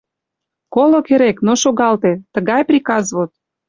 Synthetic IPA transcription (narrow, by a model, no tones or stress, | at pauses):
kolŏkeɾeknoʃoɣɑlt̪et̪əɣɑjprʲikɑzβot̪̚